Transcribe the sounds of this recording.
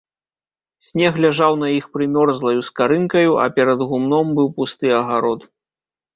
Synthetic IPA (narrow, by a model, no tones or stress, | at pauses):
sʲnʲɛɣlʲaʐawn̪ɐixpɾɨmʲɔrzlˠɐjuskaɾɨnkɐjuʔɐ̰pʲɛɾɐd̪ɣumnɔmbɨwpust̪ɨɐɣaɾɔt̪